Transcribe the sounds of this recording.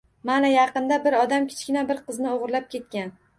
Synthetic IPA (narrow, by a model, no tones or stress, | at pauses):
manajɑqɨnd̪abɪɾɒd̪amkʲʰɪ̥t͡ʃkʲɪnabɪɾqɨznɪoʁɾlap̚kʲʰe̞t̪̚kʲan